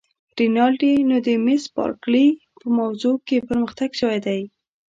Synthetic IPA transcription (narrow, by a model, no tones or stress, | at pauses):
ɾinɑlɖinod̪əmɪspɑ̰ɾkli | pəmawzokepəɾməxt̪aɡʃəwajd̪aj